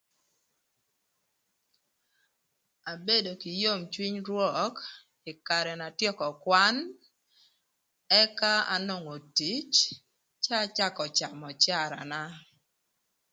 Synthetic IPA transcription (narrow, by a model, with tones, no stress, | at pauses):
a˨be˦do˨ki˨jo˦mt͡ʃwi˦ɲɾwɔ˦˨k | ɪ˨ka˨ɾɛ˨na˨tjɔ˦kɔ˨kwa˦n | ɛ˦ka˦a̰˦no˦˨ŋo˨ti˨˦t͡ʃ | t͡ʃa˦t͡ʃa˦kɔ˨t͡ʃa˨mɔ˨t͡ʃa˦˨ɾa̰˨na˦